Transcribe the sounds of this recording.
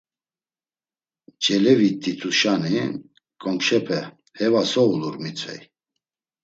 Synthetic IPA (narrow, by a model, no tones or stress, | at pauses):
d͡ʒʼɛlɛvit̪ʼːit̪ʰuʃani | kʼɔŋkʃɛpʰɛ | hɛvasɔuluɾmit͡sʰʼvɛ̰j